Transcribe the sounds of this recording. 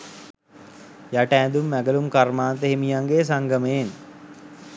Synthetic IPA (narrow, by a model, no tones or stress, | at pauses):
jaʈəːnd̪umːæɡəlumkarmaːnt̪̬əɦemijaŋɡeːs̬aŋɡəməen